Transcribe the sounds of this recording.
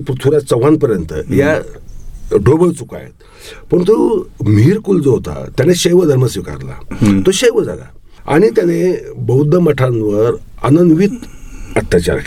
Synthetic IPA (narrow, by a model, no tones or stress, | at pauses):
pɾut̪ʰuɾjat͡səʋãnpəɾjənt̪ə̰ja | ɖobəɭt͡suka̰jḛt̪̚ | pəɳt̪om̤iɾkuld͡zoɦot̪a̰t̪janeɕejʋəd̪ʱəɾməsʋika̰ɾla̰t̪oɕeʋəd͡za̰la̰ | a̰ɽ̃it̪janebəwd̪əməʈʰãnʋəɾ | ə̰nənd̪ʋit̪ət̪ːjat͡ɕa̰ɾ